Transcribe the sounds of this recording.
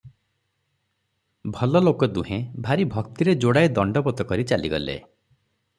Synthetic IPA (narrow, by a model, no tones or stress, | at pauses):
bʱɔlɔlokɔd̪uɦẽbʱaɾibʱɔkt̪iɾed͡ʒoɽajd̪ɔɳɖɔbɔt̪ɔkɔɾit͡ʃaliɡɔ̰lḛ